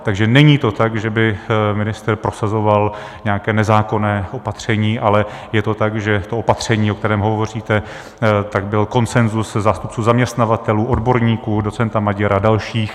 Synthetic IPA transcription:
t̪aɡʒɛnɛɲiːt̪o̞t̪aɡʒɛbɪmɪnɪst̪ɾpɾo̞sazo̞val | ɲɛakɛːnɛzaːko̞nɛːʔopat̪r̝̥ɛɲiːʔalɛjɛt̪o̞t̪aɡʒɛt̪oopat̪r̝̥ɛɲiːokt̪ɛɾɛːmɦo̞vvo̞r̝iːt̪ɛ | t̪aɡbɪlko̞nt͡sɛnzuszaːst̪up̚t͡suːzamɲɛst̪navat̪ɛluːʔo̞dbo̞ɾɲiːkuːdo̞t͡sɛnt̪amaɟɛɾadalʃiːx

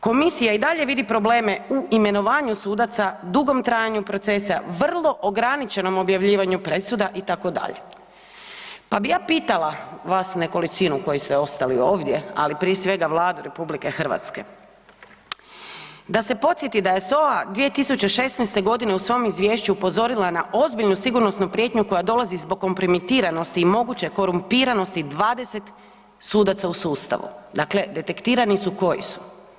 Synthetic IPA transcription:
ko̞misijaid̪aʎe̞ʋid̪ipɾo̞ble̞ːme̞uʔime̞no̞ʋaːɲusuːd̪at̪sad̪uɡo̞mt̪ɾaːjaɲupɾo̞t̪se̞saʋr̩lˠo̞ʔoɡɾanit͡ʃe̞no̞mo̞bjaʋʎiːʋaɲupɾe̞sud̪aʔit̪ako̞d̪a̰ʎḛ | pabijaːpiːt̪alaʋasne̞ko̞lit͡ʃ̪inuko̞jist̪eo̞st̪alio̞ːʋd̪je̞a̰lipɾiesʋe̞ɡaʋlˠaːd̪uɾʔe̞publike̞xr̩ʋa̰t̪ske̞ | d̪ase̞po̞t̪sjet̪id̪aje̞so̞ʋad̪ʋie̞t̪isut͡ɕe̞ʃe̞snɛjst̪e̞ɡo̞d̪ine̞usʋo̞jmizʋje̞ːʃt͡ɕuupo̞zo̞ɾilanaʔo̞zbiʎnusiɡuɾno̞snupɾje̞ːt̪ɲuko̞jad̪o̞lˠazizbo̞ɡ̚kːo̞mpɾo̞mit̪iːɾano̞st̪iːmo̞ɡut͡ɕeko̞ɾumpiːɾano̞st̪id̪ʋaːd̪e̞set̪ | suːd̪at̪sausuːst̪a̰ʋṵd̪akle̞d̪e̞t̪e̞kt̪iːɾanisuko̞jḭsu̥

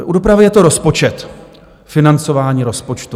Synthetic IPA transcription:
ʔudo̞pɾavɪjɛt̪o̞ɾo̞spo̞t͡ʃɛt̪ | fɪnant͡so̞vaːɲiːɾo̞spo̞t͡ʃt̪u

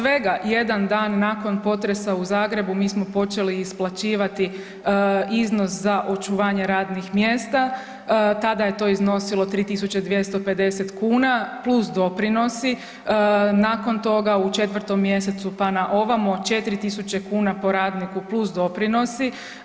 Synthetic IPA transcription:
ʋe̞ɡaje̞d̪and̪aːnːaːko̞npo̞t̪ɾe̞sauzaːɡɾe̞bumiːsmo̞po̞t͡ʃe̞liːsplˠat͡ɕiːʋat̪i | izno̞szaʔo̞t͡ʃuʋaːɲe̞ɾaːd̪nixmjeːst̪a | t̪ad̪aje̞t̪o̞ːizno̞silo̞t̪ɾiːt̪isut͡ɕe̞d̪ʋje̞st̪o̞pe̞d̪e̞set̪kuːnaplˠusd̪o̞pɾino̞si | naːko̞nt̪o̞ɡaut͡ʃe̞t̪ʋr̩t̪o̞mːje̞se̞t̪supanaʔo̞ʋamot͡ʃe̞t̪iɾit̪isut͡ɕe̞kuːnapo̞ɾaːd̪nikuplusd̪o̞pɾino̞si

